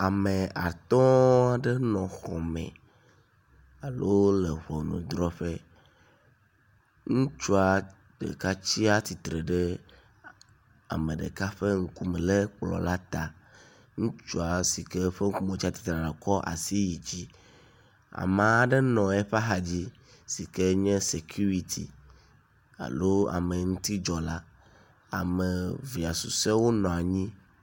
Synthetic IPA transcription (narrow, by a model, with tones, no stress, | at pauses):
a˨me˨a˨t̪ɔ̃˦a˨ɖe˦nɔ̃˨xɔ˨mɛ̰̃˨ | a˨lo˦le˨βɔ˨nṵ̃˨d̪ɾɔ˦ɸe˦ | ŋũ˦t͡ʃu˦a˨ | ɖ̥ḛ˨ka˦t͡ɕi˦a˦t̪i˨t̪ɾe˨ɖe˦ | a̰˨me˨ɖḛ˨ka˦ɸe˦ŋ̩˦ku˦me˨le˦k͡plɔ̰˨la˦t̪a˨ | ŋũ˦t͡ʃu˦a˨si˨kɛ˦ɸe˦ŋ̩˦ku˦mõ˨˦t͡ɕi˦a˦t̪i̥˨t̪ɾa˨ɖe˨kɔ˦ʔa̰˨si˦ji˨d͡ʑi˦ | a̰˨mã˨a˨ɖe˦nɔ̃˨ɛ˦ɸa˦ɦa˨d͡ʑi˦ | si˨kɛ˦ɲɛ̃˦se˨kʰju˦ɾi˨t̪ʰḭ˨ | a̰˨lo˦a̰˨me˨ŋũ˦t̪i˦d͡ʒɔ˨la˦ | a̰˨me˨vi˨a˨su˨sɛ˦wo˦nɔ̃˨a˨ɲĩ˦